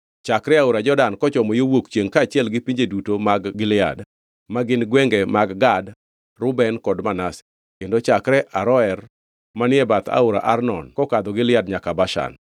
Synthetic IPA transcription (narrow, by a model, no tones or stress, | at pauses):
t͡ʃakɾɛaʊɾad͡ʒɔdankɔt͡ʃɔmɔjowokt͡ʃjeŋkaːt͡ʃɪɛlɡɪpiɲd͡ʒedutomaɡːɪlɪa̰d | maɡɪnɡwɛŋɡɛmaɡɡad | ɾʊbɛnkɔdmanasɪ̥ | kendɔt͡ʃakɾɛʔaɾɔɛr | manɪɛbat̪a̰ʊɾa̰ʔarnɔ̰nkɔkad̪ɔɡɪlɪadɲakabaʃa̰n